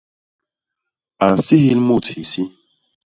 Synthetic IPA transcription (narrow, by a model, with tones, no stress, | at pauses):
a˨n̩˨si˦hi˦lmu˦˨thi˨si˦